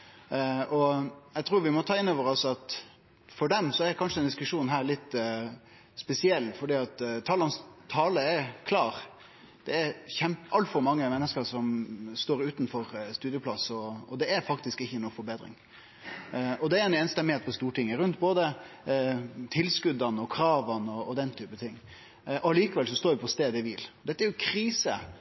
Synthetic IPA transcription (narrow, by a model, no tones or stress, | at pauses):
ɔjæɡt̪ʰɾuːɾʋɪmɔt̪ʰɑːɪnːoːʋəɾɔsɑt̪ | fɔɖɛmsɔɛɾkʰɑnʂəɛnd̪ɪskʉʂuːnɦæːɾlɪt̪ː | spɛsɪɛlːfɔɖiːɑt̪t̪ʰːɑːlɑnst̪ʰɑːləɛɾkʰlɑːɾ | d̪̥ɛːɾçɛmpəɑlt̪fɔɾmɑŋːəmɛnːəskəɾsɔmst̪oːɾʉːt̪nfɔɾst̪ʉːd̪ɪəpʰlɑsɔɔd̪ɛæɾfɑkt̪ɪskɪçːənuːfɔɾbeːd̪ɾɪ̰ŋ | ɔd̪ɛæɾɛneːnst̪ɛmɪheːt̪̚pɔst̪uːʈɪŋːəɾʉnt̪boːd̪ə | t̪ʰɪlskʉd̪ɑnəɔkʰɾɑːʋənəɔɔd̪ɛnt̪ʰyːpət̪ʰɪŋː | ʔɔɑliːkɑʋɛlsɔst̪oːɾʋɪpʰɔst̪eːd̪ɛʋɪlɔd̪ɛt̪ːəæɾjʊkʰɾiːsə̰